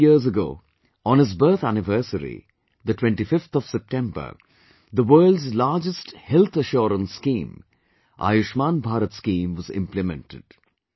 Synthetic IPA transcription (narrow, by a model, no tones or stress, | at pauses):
iəzəɡo̰ː | ɔ̃nɨzbɜɾt̪ʰænɪvəɾsəɾḭ | d̪əʈwɛ̃ɳʈifɪft̪ʰɔʋ̥sɛp̚ʈɛ̃mbə̰˞ | d̪əʋəːlɖzlaːɾd͡ʒəsʈhɛlt̪ʰəʃɔːɾə̃nskĩːm | ʔa̰ːjʊʃmãːnbʱaːɾət̪skĩːmʋɔzɪ̰̃mplɪmɛ̰̃nʈɪ̰ɖ̥